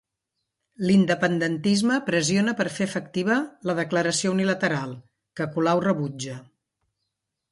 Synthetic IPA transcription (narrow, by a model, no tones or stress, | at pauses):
lind̪əpənd̪ənt̪izməpɾəzionəpəɾfefək̚t̪iβələðəkləɾəsiounilət̪əɾalˠ | kəkulawrəβud͡ʒə